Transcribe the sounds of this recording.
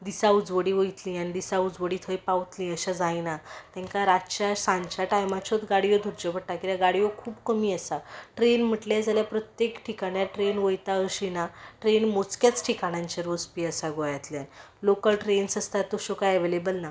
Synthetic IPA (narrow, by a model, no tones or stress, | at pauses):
d̪isaud͡zʋəɽiːʋəjt̪lĩːañid̪isaud͡zʋəɽiːt̪ʰəjpaʋt̪lĩːəɕad͡zajnat̪ɛ̃ŋkaɾat͡ɕjasãɲt͡ɕaʈajmat͡ɕot̪ɡaɽijod̪ʱuɾd͡ʑopəɽʈakit̪jaɡaɽijokʰuːbkəmiːəsaʈɾenm̤əʈlad͡zʱaljapɾət̪jekʈʰikaɽjaʈɾenʋəjt̪aəɕinaʈɾenmot͡skjat͡sʈʰikaɽ̃ãɲt͡ɕeɾospiəsaɡojat̪ljan | lokəlʈɾensəst̪at̪ːoɕokajəʋelebəlna